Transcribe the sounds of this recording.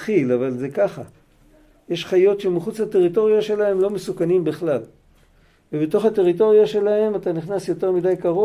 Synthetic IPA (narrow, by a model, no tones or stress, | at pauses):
χilavalze̞kaχa | je̞ʃχajo̞tʃemiχut͡shat̪e̞ʁito̞ʁijaʃe̞lahe̞mlo̞mesukanimbiχlal | vebet̪o̞χhate̞ʁit̬o̞ʁijaʃe̞lahe̞mat̪aniχnasjo̞te̞ʁmidajkaʁo